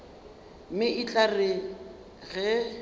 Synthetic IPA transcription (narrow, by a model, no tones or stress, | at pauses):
mɪʔɪt͡ɬʼarɪ | ɣɛ